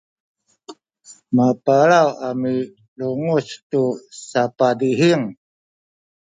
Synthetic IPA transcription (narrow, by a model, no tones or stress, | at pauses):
mapaɾawami | luŋustusapadiɦiŋ